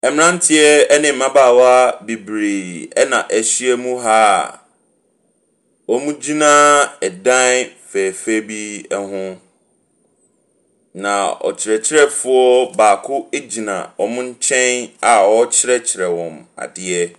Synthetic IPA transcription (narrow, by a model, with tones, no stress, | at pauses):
ɛ˨mɪ̃˦nã˦n̩˦tʰɪ˦ɛ˦ɛ˦nɪ̃˨m̩ː˦ã˦baː˦˨wa˦bi˨bɾe˨ɛ˦nã˨ʔɛ˨ɕi˦ɛ˦mũ˦ɦaː˦˨ | ɔ˦mũ˦d͡ʑi˦nã˦ɛ˨dã˦n˦fɛ˨fe˦bi˦ɛ˦ɦʊ̃˦ | nã˨ɔ̰˨t͡ɕʰɪ˨ɾɛ˨t͡ɕʰɪ˦ɾɛ˦fʊ˦ɔ˦baː˨kʰʊ˦e˦d͡ʑi˨nã̰˨wɔ˨mʊ̃˦ɲ̩˦t͡ɕʰɛ̃˦na˨wɔ˦t͡ɕʰɪ˦ɾɛ˦t͡ɕʰɪ˨ɾɛ˨wɔ̃˨ma̰˨dɪ˨ɛ˦